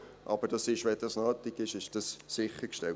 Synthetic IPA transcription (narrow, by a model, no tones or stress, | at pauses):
ʔɑb̥əɾd̥ɑsɪʃʋɛd̥ɑsnɑːt̪ɪkɪʃɪʃd̥ɑsːɪχəɾkʃtɛ